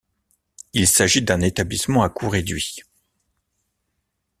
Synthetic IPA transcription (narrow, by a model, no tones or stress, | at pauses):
ilsaʒid̪ɛ̃net̪ablismɑ̃akuʁed̪ɥi